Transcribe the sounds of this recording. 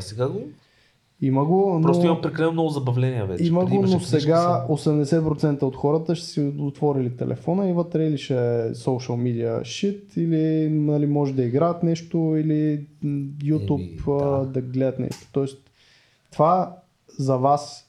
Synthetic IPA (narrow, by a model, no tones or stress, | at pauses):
sɛɡaɡo | iməɡonpɾɔost̪imɐmpɾɛkɐlɛnomnɔɡʊzɐbɐvlɛniə̰vɛ̰t͡ʃiməɡonosɛɡaosɛmd̪ɛsɛt̪̚pɾot̪sɛnt̪əot̪xɔɾət̪əʃɛ̥sɛot̪vɔɾilit̪ɛ̰lʔɛ̰fɔnəivət̪ɾɛiliʃɛsoʊʃəlˠmid̪iə̰ʃit̪ilinɐlimɔʒɛd̪ɐiɡɾaət̪nɛʃt̪oili | jut̪upd̪ɐɡlɛd̪ət̪nɛ̰ʃt̪o̥t̪ɔɛs | t̪va | zɐvas